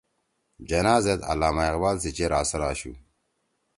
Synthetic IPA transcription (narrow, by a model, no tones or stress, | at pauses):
d͡ʑɐnaːzet̪a̰laːmaeɣbaːlsit͡ɕeɾaːsɐɾaːɕu